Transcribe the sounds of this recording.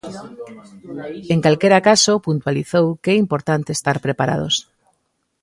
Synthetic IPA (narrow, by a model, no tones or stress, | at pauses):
eŋkalkeɾakasopunt̪waliθowkɛimpoɾt̪ant̪eːst̪aɾpɾepaɾa̰ð̞o̰s